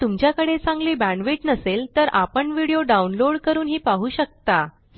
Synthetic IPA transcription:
t̪umt͡ɕjakəɽet͡sãŋɡliːbæ̃ɳʋiʈnəselt̪əɾʔapəɳʋiɽijoɖaunloɽkəɾuːnɦiːpaɦuːɕək̚t̪a

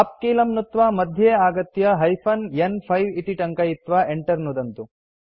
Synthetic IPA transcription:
ɐp̚kiːlɐmnut̪ʋaːmɐd̪ʱjeaːɡɐt̪jɐɦɐjpʰɐnjenpʰɐjʋit̪iʈɐŋkɐjit̪ʋaːʔeɳʈɐɾnud̪ɐnt̪u

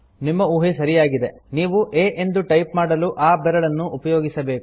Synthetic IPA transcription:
nimːɐuːɦisɐɾijaːɡid̪e̞niːʋuʔeːʔe̞nd̪uʈɐjpmaːɽɐluʔaːbɛɾɐɭɐnːuʔːpɐjoːɡisɐbe̞ːku

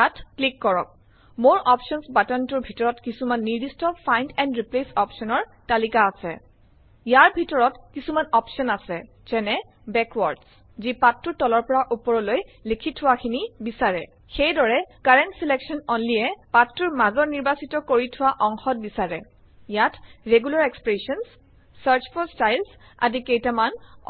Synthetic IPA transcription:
atʰklikːɔɹɔ̰k̚ | moɹʔɔpsɔnsbatɔntʊɹbʱitɔɹɔtkisumanːiɹdistɔfʰajntɛndɹiplesɔpsɔnɔɹ | talikaːsɛ̰ | jaɹbʱitɔɹɔtkisumanɔpsɔnasɛ̰ | zɛnɛ | bɛkwɔɹds | zipatːʊɹtɔlɔɹpɔɹaʔupɔɹɔloj | likʰitʰʊwakʰinibisaɹɛ̰ | xejdɔɹɛkaɹɛntsileksɔnɔnliɛpatːʊɹmazɔɹniɹbasitɔkoɹitʰʊwaʔɔŋxɔt̚bisaɹɛ̰ | jatɹeɡulaɹekspɹesɔns | saɹt͡ʃpʰɔstajls | a̰zikejtaman

